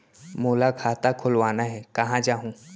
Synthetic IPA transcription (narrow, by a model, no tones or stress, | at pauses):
moːlakʰaːt̪akʰʊlʋaːnaɦɛkɐɦãd͡ʒaːɦũ